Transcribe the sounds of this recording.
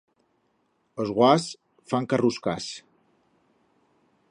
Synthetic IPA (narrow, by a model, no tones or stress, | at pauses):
əzɣwas | faŋkaruskas